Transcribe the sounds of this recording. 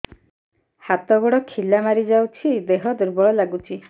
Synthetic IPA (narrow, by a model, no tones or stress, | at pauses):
hat̪ɔɡɔɽɔkʰilamaɾid͡ʒawt͡ʃʰid̪eɦɔd̪uɾbɔɭɔlaɡut͡ʃʰi